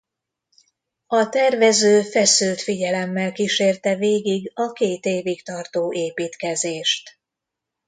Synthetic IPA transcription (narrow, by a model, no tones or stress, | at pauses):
ɒt̪ɛrvɛzøːfɛsylt̪fiɟɛlɛmːɛlkiʃeːrt̪ɛveːɡiɡɒkeːt̪eːvikt̪ɒrt̪oːʔeːpiːt̪kɛzeːʃt̪